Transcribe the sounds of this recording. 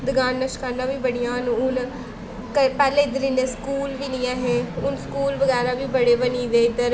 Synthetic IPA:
d̪ɪɡaːnːəʃkəɾnãːʋiːbəɽɪjãːnːʊn | kəpɛːlẽːɪd̪əɾinẽːskuːlʋiːlɪjãːɦeːʊnskuːlʋəɡɛːɾaːʋiːbəɽeːbəniːd̪eːɪd̪əɾ

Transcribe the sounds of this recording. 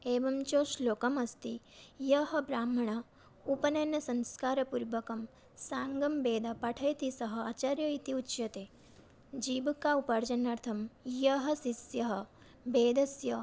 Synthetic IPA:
eːʋɐmt͡ʃoːʃloːkɐmɐst̪ijɐɦɐ̆bɾaːm̤ɐɳɐ | upɐnɐnɐsɐnskaːɾɐpuɾʋɐkɐm | saːŋɡɐmbeːd̪ɐpɐʈʰɐjt̪isɐɦɐ̆aːt͡ʃaɾjɐit̪iutːt͡ʃjɐt̪eː | d͡ʒiːbɐkaupaɾd͡ʒɐnːaɾt̪ʰɐmjɐɦɐsisjɐɦɐ̆ | beːd̪ɐsjɐ

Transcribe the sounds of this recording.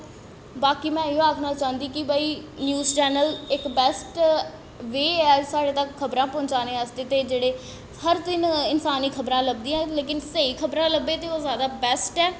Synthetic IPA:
baːkiːmɛ̃ːɪõaːkʰnaːt͡ʃãːnd̪iːkɪbaːiːnjuːzt͡ʃɛːnəlɪkbɛːsʈ | ʋeːɛːsaːɽeːt̪əkʰːəbɾãːpõːɲt͡ʃaːnẽːəst̪eːt̪eːd͡ʒeːɽeː | həɾd̪ɪnɪnsaːniːkʰəbɾãːləb̚d̪ĩːãleːkɪnsəiːkʰəbɾãːləbːeːt̪eːoːzjaːd̪aːbɛːsʈɛː

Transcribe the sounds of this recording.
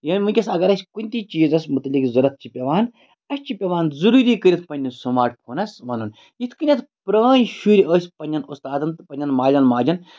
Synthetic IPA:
jɐːnʲmɨnʲkʲɐsɐɡɐɾɐsʲkunʲt̪it͡ʃiːzɐsmut̪likzɐɾɐt̪̚t͡ʃipʲɐʋaːn | ɐsʲt͡ʃipʲɐʋaːnzuɾuːɾiːkəɾʲit̪̚ʰpɐnʲːisumaːʈ̚pʰoːnɐsʋɐnun | jit̪ʰkɨnʲɐt̪ʰpɾəːnʃuɾʲiəːsʲpɐnʲːɐnust̪aːd̪ɐnt̪ɨpɐnʲːɐnmaːd͡ʒɐnmaːd͡ʒɐn

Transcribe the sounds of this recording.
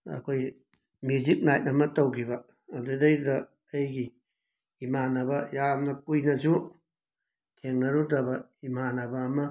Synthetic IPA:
ɐ̰kʰoj | mjuzik̚najt̚ɐmɐtowɡʰibɐː | dudɐjdɐː | jɡiː | manɐbɐjamnɐk̚ujnɐzu | tʰeŋnɐɾudɐbɐimanɐbɐːmɐ

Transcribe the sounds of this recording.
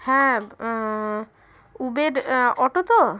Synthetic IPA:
hɛ̃ | ubeɾɔʈot̪ɔ

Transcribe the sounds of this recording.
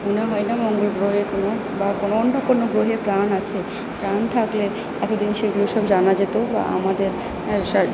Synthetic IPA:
muneɦɔenamɔŋɡolɡɾoɦekono | bakonoonːokonːoɡɾoɦepɾanat͡ɕʰe | pɾant̪ʰakle | ɛt̪od̪inʃeɡuloeʃɔbd͡ʑanad͡ʑet̪oba̰ʔa̰mad̪eɾ | ʃa

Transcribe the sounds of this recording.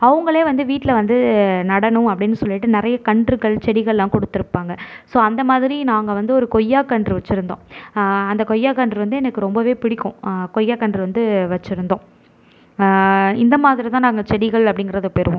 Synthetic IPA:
ɐʋɐŋɡɐɭeːʋɐnd̪ɯʋiːʈːlɐʋɐnd̪ɯnɐɽɐnʊ̃mɐpːɐɽɪnːɯsɔlːɪʈːɯnɪɾɐjɐkɐɳɖɾɯɣɐɭt͡ʃɛɽɪɣɐɭlãːkɔɽɯt̪ːɪɾɯpːaːŋɡɐsoːɐnd̪ɐmaːðɪɾinaːŋɡɐʋɐnd̪ɯɔɾɯkɔjːaːkɐɳɖrɯʋɐt͡ʃːɪɾɯnd̪õ̰ːɐnd̪ɐkɔjːaːkɐɳɖrɯʋɐnd̪ɯɛnɐkːɯɾɔmbɐʋeːpɪɽɪkːʊ̃kɔjːaːkɐɳɖrɯʋɐnd̪ɯʋɐt͡ʃːɪɾɯnd̪õː | ɪnd̪ɐmaːðɪɾit̪ãːnaːŋɡɐt͡ʃɛɽɪɣɐɭɐpːɐɽɪŋɡɪɾɐðɯpːɛɾɯʋõ

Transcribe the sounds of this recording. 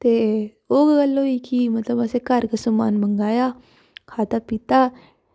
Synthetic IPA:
t̪e | oːɡɡalːoikimɐt̪ləbɐsekaɾkəsuma̰ːnməŋɡaːja | kʰaːt̪apit̪a

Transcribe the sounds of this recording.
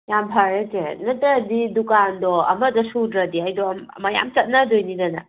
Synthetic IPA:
jampʰaɾetenɐtɐdidukandɔɐ̰mɐdɐsudɾɐdiajdɔmɐ̰mɐja̰mt͡ʃɐt̚nɐdojnidɐnɐ

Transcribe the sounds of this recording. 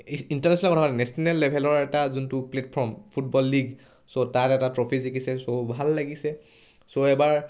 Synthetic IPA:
intaɹnɛsɔnakɔtʰapatɛnɛsɔnɛlːebʱɛlɔɹɛtazuntʊpletpʰɔɹmpʰutbɔlːiɡ | sotatɛtatɹopʰizekisɛsobʱalːaɡisɛ | soɛbaɹ

